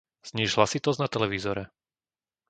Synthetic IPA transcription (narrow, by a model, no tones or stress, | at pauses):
z̥ɲiːʒɦlasit̪ɔznat̪ɛlɛʋiːzɔɾɛ